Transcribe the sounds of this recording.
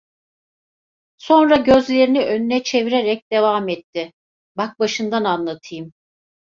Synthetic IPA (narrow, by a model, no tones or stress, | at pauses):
so̞nɾaɟø̞zlʲe̞ɾiniʔønynɛt͡ʃʰe̞viɾeɾɛc̚d̪e̞vaːmɛt̪ːɪ | bak̚baʃɯnd̪ananlˠat̪ʰɯjɯm